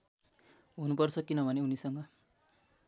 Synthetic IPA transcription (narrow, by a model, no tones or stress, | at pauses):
ɦunupʌrt͡sʰʌkinʌbʱʌneunisʌŋɡʌ